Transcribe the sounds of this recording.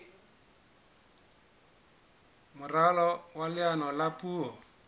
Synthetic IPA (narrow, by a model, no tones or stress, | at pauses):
mʊralɔwalɪanɔlapʼuːɔ